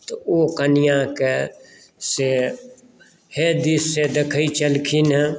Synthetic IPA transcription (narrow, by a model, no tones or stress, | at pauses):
t̪ookənɪjãke | se | hed̪isːed̪ekʰəit͡ʃəlkʰinɦɛ